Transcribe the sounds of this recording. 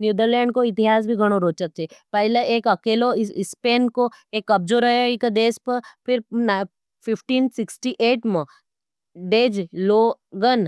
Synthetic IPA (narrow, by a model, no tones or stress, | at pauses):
njuːd̪əɾlẽːɳɖ̚koɪt̪ɪɦaːs̬bʱiɡʱɐɽ̃oɾoːt͡ʃət͡ʃepɐɦɪleeːkɐkeːloɪspeːnkoeːkːɐb̚d͡ʒoːɾəɦoikəd̪eːspəpʰɪɾn | pʰɪpʰʈiːnsɪksʈiʔeːʈmə | ɖeːd͡ʒloː | ɡən